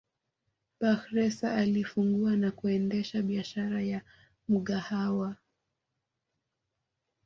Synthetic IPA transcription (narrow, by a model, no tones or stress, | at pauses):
paxɾɛsa̰ːlifuŋɡuanakuɛndɛʃaɓiaʃaɾaja | muɠahawa